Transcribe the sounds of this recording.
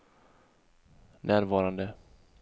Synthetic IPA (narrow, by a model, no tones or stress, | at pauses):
nʔæːɾvɑːɾand̪ə